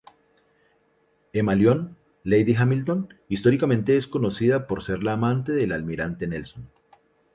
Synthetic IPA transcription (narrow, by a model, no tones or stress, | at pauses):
emaljo̞n | lejd̪iɦamilt̪o̞nist̪o̞ɾikamẽ̞nt̪e̞esko̞no̞siðapo̞ɾse̞ɾlaːmãnt̪e̞ðe̞lalmiɾant̪e̞ne̞lson